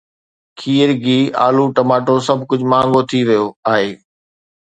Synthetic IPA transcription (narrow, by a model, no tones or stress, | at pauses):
kʰiːəɾɡiːa̰ːluʈɐmaːʈosɐbʱkʊd͡ʑʱmãːŋɡot̪ʰiʋɐjoaːɦeː